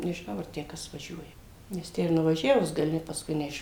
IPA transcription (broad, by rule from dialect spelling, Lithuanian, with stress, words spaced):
nʲɛʒʲɪˈnɐʊ ɐr ˈtʲæː ˈkɐs ʋɐˈʒʲuɔjɛ nʲɛs ˈtʲæː ɪr nʊʋɐˈʒʲæːʋʊs ɡɐˈlʲɪ pɐsˈkʊɪ nʲɛˈɪʃ